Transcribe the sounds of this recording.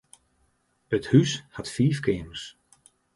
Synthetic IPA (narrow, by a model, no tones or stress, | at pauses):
əthyshatfiːfkʰɪːməs